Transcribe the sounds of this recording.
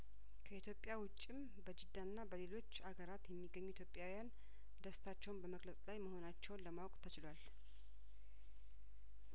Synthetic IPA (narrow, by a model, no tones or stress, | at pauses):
kʰəit̪ʰjo̞pʼːjawʊt͡ʃʼːim | bəd͡ʒɪd̪ːanːabəle̞lo̞t͡ʃːaɡəɾat̪jɛmːiɡːəɲːujit̪ʰjopʼjawijan | d̪əst̪ʰat͡ʃːɛwnbəməɡləsʼlajməho̞nat͡ʃːɛwnləmawkʼt̪ʰət͡ʃɪlwal